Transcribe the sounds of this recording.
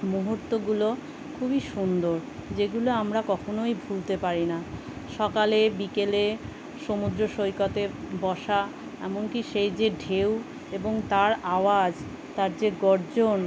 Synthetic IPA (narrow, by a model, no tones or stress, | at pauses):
muɦuɾt̪ːoɡulo | kʰubiʃund̪oɾd͡ʑeɡuloamɾakɔkʰonojbʱult̪epaɾina | ʃɔkalebikele | ʃomud̪ɾoʃojkat̪ebɔʃa | ɛ̰monkiʃejd͡ʑeɖʱew | eboŋt̪aɾaoad͡ʑ | t̪aɾd͡ʑeɡɔɾd͡ʑon